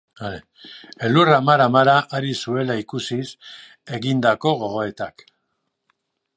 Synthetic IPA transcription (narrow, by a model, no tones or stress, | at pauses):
aɾe | eluramaɾamaɾaʔaɾisue̞laikusis | e̞ɣind̪ako̞ɣo̞ɣo̞e̞t̪ak